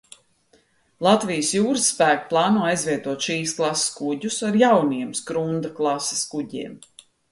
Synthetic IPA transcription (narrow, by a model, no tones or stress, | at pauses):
lˠat̪vijəsjuːɾəsːpæːkplˠɑːnuːajzvʲiɛt̪uɔt̪ʃiːsklˠasskuɟusaɾjawniɛmskɾund̪aklˠɑse̥skuɟiɛm